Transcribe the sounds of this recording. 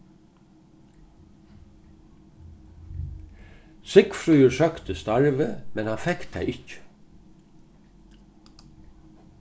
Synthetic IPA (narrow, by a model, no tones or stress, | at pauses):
sɪkfɾyːəɹsœkt̪əst̪ɑɹʋəmɛnhɑnfɛkt̪ʰæ̰ɪʔɪcə̥